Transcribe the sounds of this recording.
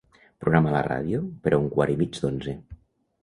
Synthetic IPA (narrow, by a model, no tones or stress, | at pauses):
pɾuɣɾamala̰ra̰ð̞jopeɾauŋkwaɾimid͡ʒðonze